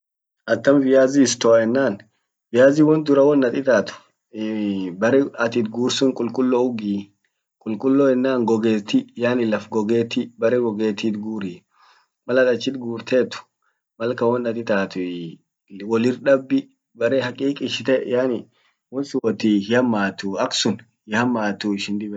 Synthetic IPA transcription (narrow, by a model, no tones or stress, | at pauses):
ʔɐt̪ːɐmvɪjaːzɪːst̪ɔɐɛnːaːn | vɪjaːzɪwɔnd̪ʊɾɐwɔnːɐt̪ʼɪt̪aːt̪ʊ̥ | bɐɾɛɐt̪ɪt̪ɡuːɾsʊŋkʼʊlkʼʊlːoʊɡiː | kʼʊlkʼʊlːoɛnːaːŋɡɔɡeːt̪ːɪjaːnɪlɐfɡɔɡeːt̪ibɐɾɛɡɔɡeːt̪ːit̪ɡuːɾiː | mɐlɐt̪ʼɐt͡ʃːɪt̪ɡuːɾt̪ʰeːt̪ʊ̥ | mɐlkɐwɔnːɐt̪ʼɪt̪aːt̪ʊ | wɔlɪɾᶑɐbːɪ | bɐɾehɐkʼiːkʼɪʃɪt̪ɛjaːnɪ | wɔnsʊwɔt̪ihɪhɐmːaːt̪ʊɐksʊn | hɪhɐmːaːt̪ʊɪʃɪnd̪ɪbɛ